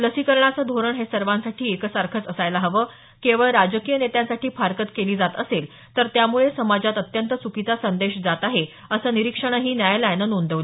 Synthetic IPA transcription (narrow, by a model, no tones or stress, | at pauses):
ləsikəɾɳat͡səd̪ʱoɾəɳɦesəɾʋãnsaʈʰiːekəsaɾkʰət͡səsajlaɦəʋə | keʋəɭɾad͡ʑəkijənet̪jãnsaʈiːfaɾkət̪keliːd͡zat̪əsel | t̪əɾt̪jamuɭesəmad͡zat̪ət̪jənt̪ət͡sukit̪asənd̪eɕd͡zat̪aɦe | əsəːniɾikʂəɳ̃əɦiːnjajlajnənond̪əʋl